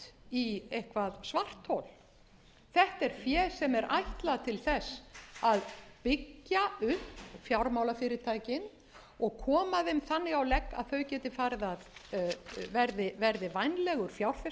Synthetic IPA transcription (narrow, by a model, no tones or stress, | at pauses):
iejhkvaðsvar̥t̪ʰːowl | θɛht̪ɛɾ̥fjɛːsɛmɛɾʔa̰jht̪laðt̪ʰɪlθɛsaðpɪcːaʏhpfjawɾmaːwlafɪːɾɪt̪ʰaːjcɪn | ɔɣkʰɔːmaðɛmθanːɪɣawlɛkːa̰ðθœɥcɛːt̪ɪfaːɾɪðað | vɛɾðɪvɛɾðɪvajnlɛɣʏɾ̥fjawɾ̥fɛ